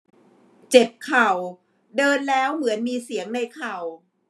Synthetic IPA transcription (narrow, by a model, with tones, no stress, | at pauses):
t͡ɕe˨˩p̚kʰa˨˩w | dɤː˧nlɛː˦˥wmɯ˩˦ənmiː˧si˩˦əŋna˧jkʰa˨˩w